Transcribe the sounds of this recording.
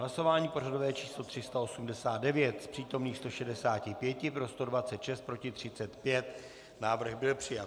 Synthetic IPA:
ɦlaso̞vaːɲiːpo̞rado̞vɛːt͡ʃiːslo̞t̪r̥ɪst̪ao̞sumdɛsaːd̪̚dɛvjɛt̪spr̝̥iːt̪o̞mniːxst̪oʃɛdɛsaːcɪpjɛcɪpɾo̞st̪o̞dvatt͡sɛt̪ʃɛst̪̚pɾo̞cɪt̪r̝̥ɪt͡sɛt̪pjɛt̪ | naːvr̩ɣbɪlpr̝̥ɪjat̪

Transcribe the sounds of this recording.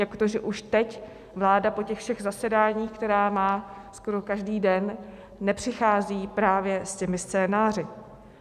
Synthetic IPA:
jakot̪oʒɛʔuʃt̪ɛc | vlaːdapo̞cɛxfʃɛɣzasɛdaːɲiːxkt̪ɛɾaːmaːsko̞ɾokaʒdiːdɛnː | ɛpr̝̥ɪxaːziːpɾaːvjɛscɛmɪst͡sɛːnaːr̝ɪ

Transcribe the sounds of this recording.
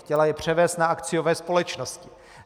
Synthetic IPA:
cɛlajɛpr̝̥ɛvɛːst̪naakt͡sɪjo̞vɛːspo̞lɛt͡ʃnoscɪ

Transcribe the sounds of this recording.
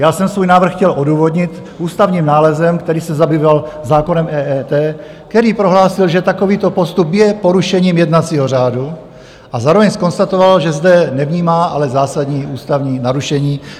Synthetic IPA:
jaːsɛmsvuːjnaːvr̩xcɛlʔoduːvo̞d̪ɲɪt̪ | ʔuːst̪avɲiːmnaːlɛzɛmkt̪ɛɾiːsɛzabiːvalzaːko̞nɛmʔɛːɛːt̪ɛː | kt̪ɛɾiːpɾo̞ɦlaːsɪlʒɛt̪ako̞viːt̪o̞po̞st̪upjɛpo̞ɾuʃɛɲiːmjɛdnat͡siːɦo̞r̝aːdu | ʔazaːɾovɛɲsko̞nst̪at̪o̞valʒɛzdɛnɛvɲiːmaːʔalɛzaːsad̪ɲiːuːst̪avɲiːnaɾuʃɛɲiː

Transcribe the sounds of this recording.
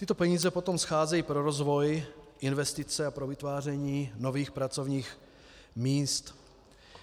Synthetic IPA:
t̪ɪt̪o̞pɛɲiːzɛpot̪o̞msxaːzɛjiːpɾoɾozvo̞jʔɪnvɛst̪ɪt͡sɛapɾovɪt̪vaːrɛɲiːno̞viːxpɾat͡so̞vɲiːx | miːst̪

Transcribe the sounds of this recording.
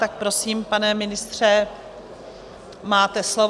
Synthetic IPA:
t̪ak̚pɾo̞siːmpanɛmɪnɪst̪r̝̥ɛ | maːt̪ɛslov

